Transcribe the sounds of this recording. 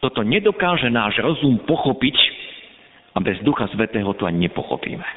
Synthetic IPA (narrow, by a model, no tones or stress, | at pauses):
t̪ɔt̪ɔɲɛd̪ɔkaːʒɛnaːʒɾɔzumpɔxɔpic | abɛzd̪uxasʋɛt̪ɛːɦɔt̪uaɲɲɛpɔ̰xɔ̰pḭːmɛ